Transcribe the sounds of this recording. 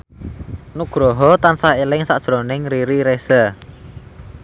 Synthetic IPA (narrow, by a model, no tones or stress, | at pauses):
nuɡ̥ɾɔɦɔt̪ansahelɪŋsaʔʒ̥ɾonɪŋɾiɾiɾesə